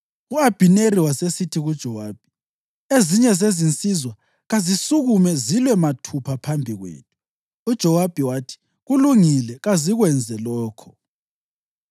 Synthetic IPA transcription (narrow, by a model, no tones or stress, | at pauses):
uab̥ʱineriwasesitʰiɣud̥ʒ̥ʱɔwaːb̥ʱi | eziɲɛzezint͡sʼizwa | ɣazisuɣumɛzilwɛmatʰupʰapʰambʱiɣwḛːtʰʼu̥ː | d̥ʒ̥ʱɔwab̥ʱiwaːtʰi̥ | ɣuluŋilɛɣaziɣwɛnd͡zʱɛlɔːkʰɔ